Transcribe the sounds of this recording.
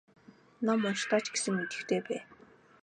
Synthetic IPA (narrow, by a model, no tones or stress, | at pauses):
namːɔnʃt̪aːt͡ɕɡ̥esɘ̆ŋmet̪ɘ̥̆xt̪ʰeːpæː